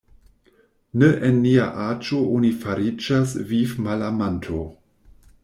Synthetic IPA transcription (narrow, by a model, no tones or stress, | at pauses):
neʔenːia̰ʔad͡ʒoʔonifaɾid͡ʒasvifmalamantʰo